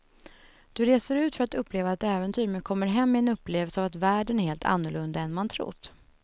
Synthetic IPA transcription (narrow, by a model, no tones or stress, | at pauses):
d̪̥ɵɾeːsəɾʉ̟ːt̪fœɾat̪ɵpːleːvaɛt̪ɛːvɛnt̪ʰyːɾmɛkʰɔmːəɾɦɛmːɪɛnɵpːleːvəlsəavat̪væːɖənæɾheːlt̪ʰa̰nːʊɭɵnd̪aɛnmant̪ʰɾʊ̰t̪ː